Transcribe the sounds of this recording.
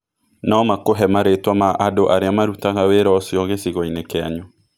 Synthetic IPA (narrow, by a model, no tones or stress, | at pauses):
naɔmakoɦɛmaɾetwamaʔadoʔaɾeamaɾutaɣaweɾɔːsjɔɣesiɣɔinekeaɲɔ